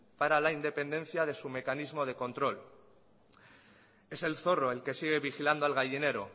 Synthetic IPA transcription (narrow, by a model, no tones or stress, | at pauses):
paɾalaind̪e̞pẽ̞nd̪e̞n̟θjaðe̞sume̞kanizmo̞ðe̞kõ̞nt̪ɾo̞l | e̞se̞lθo̞ro̞e̞lke̞siɣ̞e̞βixiland̪oalɣ̞aʝine̞ɾo̞